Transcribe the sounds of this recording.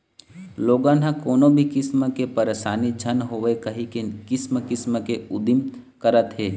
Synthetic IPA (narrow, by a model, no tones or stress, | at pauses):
loːɡãːnɦãkoːnõbʱikɪsməkepɐɾeːʃaːnid͡ʒʱɐnɦoːʋekɐɦikekɪsməkɪsməkeʊd̪ɪm | kəɾət̪ɦeː